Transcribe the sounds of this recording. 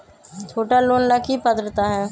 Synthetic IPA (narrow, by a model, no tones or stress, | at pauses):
t͡ʃʰoːʈaloːnlakipəd̪ɾət̪aɦɛː